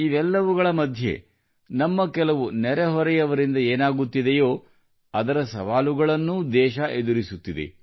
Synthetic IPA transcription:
iʋɛlːɐʋuɡɐɭɐmɐd̪ʱje̞̰ | nɐmːɐkɛlɐʋunɛɾɛɦɔɾɛjɐʋɐɾind̪ɐeːnaːɡut̪ːid̪ejo̞ː | ɐd̪ɐɾɐsɐ̰ʋaːluɡɐɭɐnːud̪ɛːʃɐʔed̪uɾisut̪ːid̪e̞̰

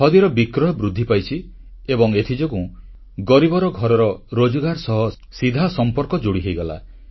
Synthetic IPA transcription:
hɔd̪iɾɔbikɾɔjɔbɾud̪ʱːipajt͡ʃʰi | ebɔŋet̪ʰid͡ʒɔku | ɡɔɾibɔɾɔɡʱɔɾɔɾɔɾod͡ʒɔɡaɾsɔɦɔ | sid̪ʱasɔmpɔɾkɔd͡ʒoɽiɦejɡɔla̰

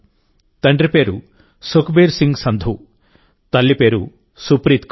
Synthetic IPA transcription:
t̪ɐɳɖɾipeːɾu | sokbeːɾsiŋɡsɐnd̪ʱu | t̪ɐlːipeːɾu | supɾit̪k

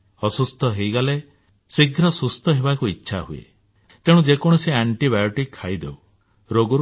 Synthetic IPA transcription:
ɔsust̪ɔɦejɡale | siɡʱɾɔsust̪ɔɦebakuitːʃʰaɦuḛ | t̪eɽ̃ũd͡ʒekɔɽ̃ɔseaɳʈibajɔʈikʰːajd̪ḛu | ɾoɡɔɾ

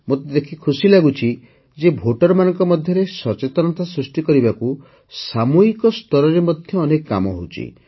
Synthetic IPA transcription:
mot̪ed̪ekʰikʰusilaɡut͡ʃʰi | d͡ʒebʱoʈɔɾɔmanɔ̃ŋkɔmɔd̪ʱjɔɾesɔt͡ʃet̪ɔnɔt̪asɾusʈikɔɾibaku | samuɦikɔst̪ɔɾɔɾemɔd̪ʱjɔːnekːa̰mɔɦo̰wt͡ʃʰḭ

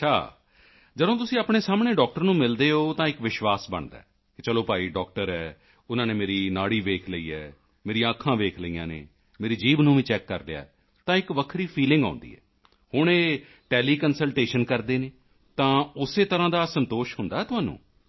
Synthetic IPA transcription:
t͡ʃʰa̰ː | d͡ʒədõːt̪ʊsĩːaːpɳ̃eːsaːmɳeːɖɔːk̚ʈəɾnũːmɪld̪eːɦoːt̪ãːɪkʋɪʃʋaːsbə̰ɳd̪a̰ːɦɛ | kɪt͡ʃəloːpaːiːɖɔːk̚ʈəɾɛː | ʊnãːneːmeːɾiːnaːɽiːʋeːkʰləiːɛː | meːɾijãəkʰːãːʋeːkʰləiːã̰ːnḛː | meːɾiːd͡ʒiːbnũːʋĩːt͡ʃɛːkːə̰ɾlɪja̰ːɛ | t̪ãːɪkʋəkʰɾiːpʰiːlɪ̃ŋɡã̰ːnd̪ḭːɛ̰ː | hʊɳ̃eː | ʈɛːliːkənsəlʈeːʃənkəɾd̪eːneː | t̪ãːʊseːt̪əɾãːd̪aːsənt̪oːʃɦʊnd̪aːɦɛːt̪ʊɦãːnṵ̃ː

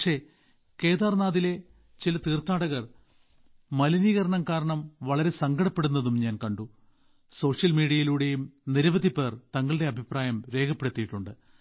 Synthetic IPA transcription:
ʂe̞ | ke̞ːðaːrnaːðile̞ | t͡ɕilɐt̪iːrt̪aːɽɐɣɐr | mɐlɐniːɣɐɾɐɳɐmkaːɾɐɳɐmʋɐɭɐɾe̞sɐŋɡɐɽɐpːe̞ɽunːɐðumɲaːnkɐɳɖu | so̞ːʂjɐlmiːɽiɐjiluːɽe̞jumniɾɐʋɐd̪ipːeːrt̪ɐŋːɐɭɨɽe̞ɐbʱipraːjɐmɾe̞ːkʰɐpːeɽut̪ːijiʈːuɳɖɨ

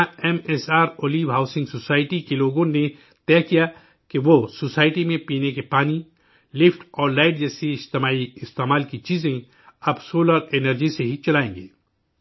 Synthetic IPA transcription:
aɛmɛsaːɾoːliːʋɦaːʊsɪ̃ŋɡsoːsaːɪʈikeloːɡõne | t̪ɛːɦkija | keʋosoːsaːɪʈimẽpiːnekepaːni | lɪfʈɔːɾlaːɪʈ̚d͡ʒɛːsiɪd͡ʒt̪ɪmaːiɪst̪eːmaːlkit͡ʃiːzẽ | ɐbsoːləɾenəɾd͡ʒiseɦit͡ʃɐlaːẽːŋɡḛː

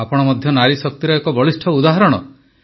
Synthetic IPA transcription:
apɔɽ̃ɔmɔd̪ʱjɔnaɾisɔk̚t̪iɾɔekɔbɔɭisʈʰɔud̪aɦɔɾɔɽ̃ɔ̰

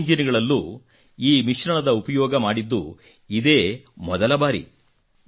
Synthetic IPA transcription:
ɲd͡ʒɐniɡɐɭɐlːuː | iːmiʂɾɐɳɐd̪ɐupɐjɔːɡɐmaːɽid̪ːṵ | id̪e̞ːmɔd̪ɐlɐbaːɾḭ

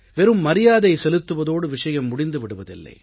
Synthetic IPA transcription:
ʋɛɾɯmːɐɾɪjaːðɐɪsɛlɯt̪ːɯʋɐðoːɽɯʋɪʂɐjɐmːʊɽɪnd̪ɯʋɪɽɯʋɐðɪ̰lːɐ̰ɪ

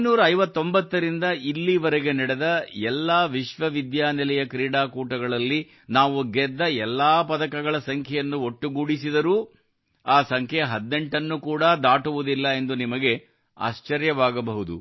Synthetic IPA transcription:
nuːɾɐɐjʋɐt̪ːo̞mbɐt̪ːɐɾind̪ɐilːiʋɐɾeɡe̞nɐɽed̪ɐɛlːaːʋiʃʋɐʋid̪jaːnɛlɛjɐkɾiːɽaːkuːʈɐɡɐɭɐlːi | naːʋuɡɛd̪ːɐɛlːaːpɐd̪ɐkɐɡɐɭɐsɐŋkʰɛjɐnːuo̞ʈːuɡuːɽisid̪ɐɾuː | aːsɐŋkʰɛjɐɦɐd̪ne̞ɳʈɐnːukuːɽɐd̪aːʈuʋud̪ilːɐe̞nd̪unimɐɡe̞ | a̰ːʃt͡ʃɐɾjɐʋaːɡɐbɐɦud̪ṵ

